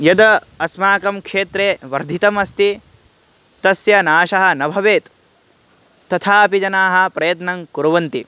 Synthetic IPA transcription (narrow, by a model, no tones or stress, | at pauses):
jɐd̪ɐ | ɐsmaːkɐmkʂeːt̪ɾeːʋɐɾd̪ʱit̪ɐmɐst̪i | t̪ɐsjɐnaːʃɐɦɐ̆nɐbʱɐʋeːt̪ | t̪ɐt̪ʰaːpid͡ʒɐnaːɦɐ̆pɾɐjɐt̪nɐŋkuɾɐʋɐnt̪i